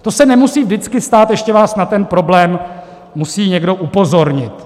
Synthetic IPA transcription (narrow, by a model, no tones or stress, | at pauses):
t̪o̞sɛnɛmusiːvdɪt͡skɪst̪aːt̪jɛʃcɛvaːsnat̪ɛnpɾo̞blɛːmː | usiːɲɛɡdo̞ʔupo̞zo̞ɾɲɪt̪